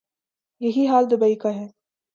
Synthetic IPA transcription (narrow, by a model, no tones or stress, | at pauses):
jɐɦiɦaːld̪ʊbɐikaɦɛː